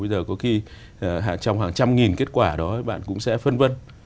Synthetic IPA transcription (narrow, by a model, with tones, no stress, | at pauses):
ə˧jzəː˨˩kɔ˨˦xi˧˨˩ | ɦa̰ː˧˨˩t͡ɕɔ˧wŋ͡mɦaː˨˩ŋt͡ɕa˧mŋi˨˩nke˦˥t̚kwaː˧˩ɗɔ˨˦˨ɓa̰ː˧˨nkʊ̰˧˥ŋ͡msɛ̰˧˥fə˧nvə˧n